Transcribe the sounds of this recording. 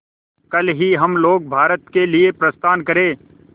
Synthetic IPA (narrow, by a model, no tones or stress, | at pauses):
kɐlɦiɦɐmloːɡ̚bʱaːɾət̪keliepɾəst̪ʰaːnkəɾeː